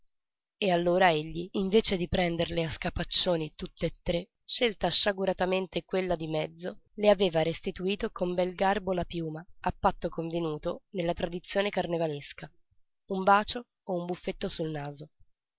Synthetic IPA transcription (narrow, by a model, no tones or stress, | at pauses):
ealːoːɾaeʎːiːɱveːt͡ʃed̪ipɾɛnd̪erleaskapat͡ʃːoːnit̪ut̪ːeːt̪ːɾe | ʃelt̪aːʃːaɡuɾat̪ament̪ekwelːad̪imɛd̪zːoleaveːvaɾest̪it̪uiːt̪okombɛlɡarbolapjuːmaapːat̪ːokoɱvenuːt̪onelːat̪ɾad̪it̪sːjoːnekarnevaleska | umbaːt͡ʃoː | umbufːet̪ːosulnaːzo